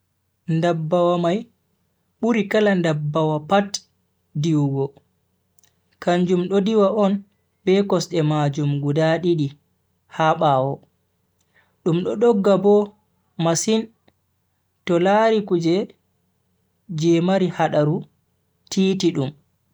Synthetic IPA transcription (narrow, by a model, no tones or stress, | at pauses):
ndabːawamaj | ɓuɾikalandabːawapat | diwɡɔ | kaɲd͡ʒumɗɔdiwaʔɔn | bɛkɔsɗɛmad͡ʒumɡudaɗiɗi | haɓawɔ | ɗumɗɔɗɔɡːabɔ | masin | tɔlaɾikud͡ʒɛ | d͡ʒɛmaɾihaɗaɾu | tʰiːtiɗum